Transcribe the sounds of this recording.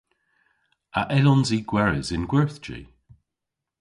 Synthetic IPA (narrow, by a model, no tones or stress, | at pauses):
aʔɛlɔnziːɡ̥wɛɹɪzɪnɡwɛɹθd͡ʒḭ